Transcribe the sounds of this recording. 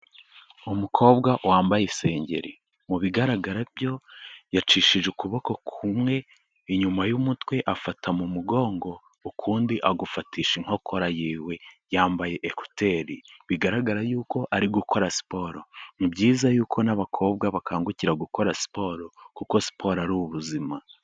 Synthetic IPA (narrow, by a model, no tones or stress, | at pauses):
umukʰo̞ːb̚ɡawaːmbajese̞ːɲɟe̞̰ɾi | muβiɡaɾaɡaɾabjo̞jat͡ʃiːʃiʒekuβo̞ko̞kʰumŋe̞ | iɲumajumutwe̞ʔafatʰamumuɡo̞ːŋɡo̞ | ukʰuːndiʔaɡufatiːʃiŋ̥oko̞ɾajiːwe̞jaːmbaje̞ʔeku̥tʰe̞ɾiβiɡaɾaɡaɾajuːko̞ʔaɾiɡukʰo̞ɾasi̥po̞ːɾonibɟiːzajuːkʰo̞naβakʰo̞ːb̚ɡaβakaːŋɡuciɾaɡuko̞ɾasi̥po̞ːɾokuko̞si̥pʰo̞ɾaɾuβuβuzima